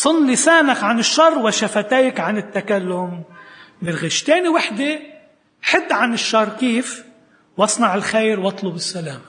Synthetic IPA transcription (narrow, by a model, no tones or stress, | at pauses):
sˤɨnːisaːnakʕanɪʃːɑrˤːwaʃafat̪eːkʕanɪt̪ːakalːʊmbɪlɣɪʃt̪eːniwaħd̪e | ħɪd̪ːʕanɪʃːɑrˤːkiːf | wɑsˤnɑʕɪlxejɾwɑt̪ˤlʊbɪsːalaːma